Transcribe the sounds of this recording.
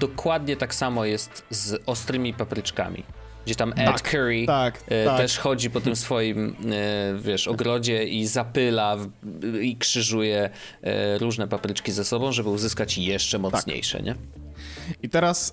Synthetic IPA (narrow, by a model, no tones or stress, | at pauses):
d̪̥ɔkwad̪ɲɛt̪aksamɔjɛst̪zɔst̪ɾɘmʲipapɾɘt͡ʂka̰mʲḭ | ɡd͡ʑet̪amɛt̪kʰɛɾit̪t̪ɛʂxɔd͡ʑipɔt̪ɘmsfɔjim | vʲjɛʂɔɡɾɔd͡ʑɛizapɘla | ikʂɘʐujɛ̰ | ɾuʐnɛpapɾɘt͡ʂkʲizɛsɔbɔ̃w̃ʐɛbɘuzɘskat͡ɕjɛʂt͡ʂɛmɔt̪ɲḛjʂɛ̰ɲʔɛ̰ | it̪ɛɾas